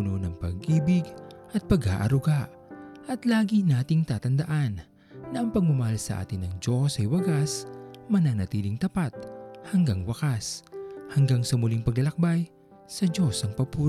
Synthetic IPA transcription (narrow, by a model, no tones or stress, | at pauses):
nonɐŋpɐ̰ɡʔiːbɪɡʔɐt̪̚pɐɡa̰ːʔɐ̰ɾʊɡaʔ | ʔɐt̪laːɡinaːt̪ɪŋt̪aːt̪ɐnd̪ɐʔanː | ɐʔɐŋpɐɡ̚mɐmɐhalsɐ̰ʔa̰ːt̪ɪnɐŋd͡ʒo̞sɐjwɐɡasmɐnaŋnɐt̪iːlɪŋt̪ɐpat̪̚hɐŋɡaŋwɐkashɐŋɡaŋsɐmʊliŋpɐɡlɐlɐk̚baj | sɐd͡ʒo̞sɐŋpɐpuː